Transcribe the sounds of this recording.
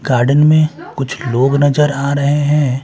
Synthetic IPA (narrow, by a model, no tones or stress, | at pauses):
ɡ̥aːɾɖənmẽkʊt͡ʃʰloːɡnɐzəɾaːɾɐɦeɦɛ̃ː